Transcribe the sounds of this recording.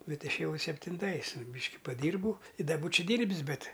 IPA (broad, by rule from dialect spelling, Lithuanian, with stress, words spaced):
ˈbʲɛt ˈɪʃʲeːˈjɛʊ sʲɛpʲtʲɪnˈtɐɪs ˈbʲiːʃʲkʲɪ pɐˈdʲiːrbɐʊ ɪ ˈdɐ ˈbuːt͡ʃʲɛ ˈdʲiːrʲbʲɪs ˈbʲɛt